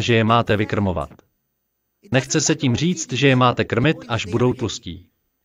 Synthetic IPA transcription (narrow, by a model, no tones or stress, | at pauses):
ʒɛjɛmaːt̪ɛvɪkr̩mova̰t̪ | nɛxt͡sɛsɛciːmr̝iːt͡st̪ʒɛjɛmaːt̪ɛkr̩mɪt̪ʔaʒbudowt͡sloscḭː